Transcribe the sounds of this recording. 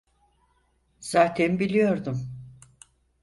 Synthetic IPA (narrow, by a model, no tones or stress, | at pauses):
z̥aːt̪ʰɛnbilʲijo̞ɾd̪um